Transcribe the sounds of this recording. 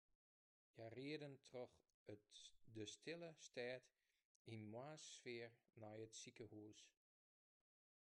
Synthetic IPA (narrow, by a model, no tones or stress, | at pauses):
jariədəntʰrɔx | ətdəstʰɪləstʰɛːt | inmwaːsːfɪːrnɔjətsikəhuəs